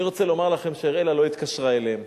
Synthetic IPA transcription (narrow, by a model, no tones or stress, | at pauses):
iʁo̞t͡selo̞maʁlaχe̞mʃeeʁelalo̞it̪kaʃʁaeleem